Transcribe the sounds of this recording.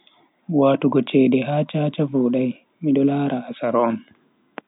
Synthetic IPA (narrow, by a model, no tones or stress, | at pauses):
waːtuɡɔt͡ʃɛdɛɦaːt͡ʃaːt͡ʃavuːɗaj | miɗɔlaːɾaːsaɾɔn